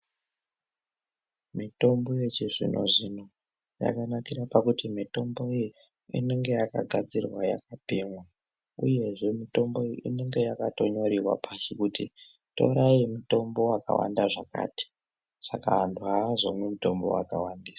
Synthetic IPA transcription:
mito̞mbo̞jet͡ʃiʐḭnʔo̞̰ʐino | ja̰kanakiɾapakutimito̞mbo̞i | ḭne̞ŋɡe̞jakaɡʱad͡zirwaja̰kapiːŋwa | uje̞ʐe̞mito̞mbo̞iʔine̞ŋɡe̞jakato̞ɲo̞ɾiwa̰pʰaʃikuti | to̞̰ɾaimuto̞mbo̞waka̰wa̰ndaʐaka̰ːti̥ | sakaɦːntʰuɦaʐomwemuto̞mbo̞̰wa̰kawandiːsḁ

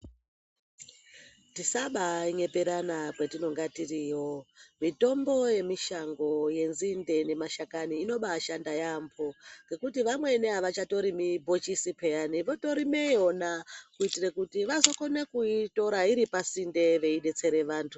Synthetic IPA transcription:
tisaɓaiɲe̞peɾanakwetino̞ŋɡatiriːo̞mito̞mbo̞je̞miʃaŋɡo̞je̞nzinde̞ne̞maʃakaniːno̞ɓaʃandajampʰoŋɡe̞kutiʋamwe̞neɦaʋat͡ʃato̞ɾimibʱot͡ʃisipejaniʋo̞to̞ɾimeonakuitirekutiʋazo̞ko̞nekuito̞ɾaiɾipasinde̞ʋe̞iɗe̞t͡se̞ɾe̞ʋaːntʰu

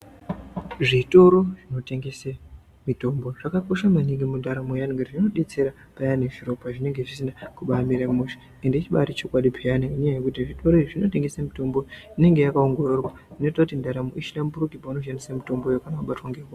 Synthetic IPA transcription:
ʐito̞ɾo̞ʐino̞te̞ŋɡe̞se | mito̞mbo̞ʐ̥akakoʃamaniŋɡimundʱaɾamojaniŋɡarʐino̞ɗet͡se̞ɾa | pajaneʐiro̞paʐine̞ŋɡe̞ʐisinakuɓamiɾamuʃi̥ | endet͡ʃiɓa̰ɾit͡ʃo̞kwaɗipʰeaniinejajekutiʐito̞ɾoiʐino̞te̞ŋɡe̞samito̞mbo̞ine̞ŋɡe̞jakao̞ŋɡo̞rorwa | ino̞tautindʱaɾamoʔiʃilamburukipaunoʃanisamito̞mbo̞jokanakaɓatwaŋɡewo

